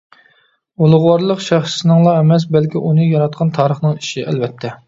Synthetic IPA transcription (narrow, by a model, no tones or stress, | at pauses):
ulˠʊʁwɑɾlˠəqʃæχʃsnɨŋlˠɑɛmɛs̬bɛlkʲiʔunɨjɑɾɑt̪̚qʰɑnt̪ʰɑːɾəχnɨŋiʃiʔɛ̰lvɛt̪ʰːɛ